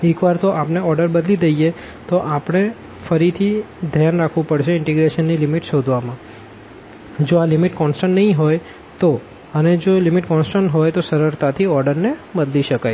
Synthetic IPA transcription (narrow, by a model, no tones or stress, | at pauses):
ekʋaɾt̪oʔapneɔɾɖəɾbəd̪lid̪əije | t̪oʔapɽ̃e | fəɾit̪ʰi | d̪ʱjanɾakʰʋũpəɽʃeɪɳʈiɡɾeʃənːilimiʈʃod̪ʱʋamã | d͡ʒoalɪmiʈkɔnsʈəɳːəɦĩɦoj | t̪o | əned͡ʒolimiʈkɔ̃nsʈəɳʈɦojt̪osəɾəɾt̪at̪ʰiɔɾɖəɾnebəd̪liʃəkaj